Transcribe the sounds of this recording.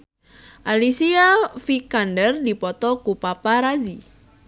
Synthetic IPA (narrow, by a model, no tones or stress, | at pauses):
ʔalisiafikandərdipɔt̪ɔkupapaɾazi